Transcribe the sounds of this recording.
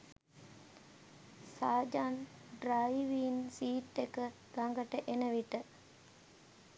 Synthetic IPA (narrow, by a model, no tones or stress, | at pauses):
saːd͡ʒaːnɖɾajiʋiːnsiːʈːekə | ɡaŋɡəʈəʔenəʋiʈə